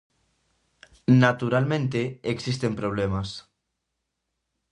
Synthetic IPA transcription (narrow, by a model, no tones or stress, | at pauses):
nat̪uɾalmẽnt̪eːksist̪empɾoβ̞lemas